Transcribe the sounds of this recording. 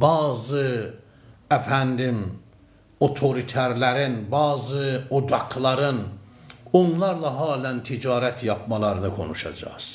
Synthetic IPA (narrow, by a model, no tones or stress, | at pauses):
bɑːzɯ | æfænd̪in | ot̪ʰo̞ɾit̪ʰæɾlæɾinbɑːzɯod̪ɑkʰlˠɑɾɯn | onlˠɑɾlˠɑɦɑːlænt̪ʰid͡ʒɑːɾæt̪ʰjɑp̚ʰmɑlˠɑɾɯnɯkʰo̞̰nuʃɑ̰d͡ʒɑ̰z̥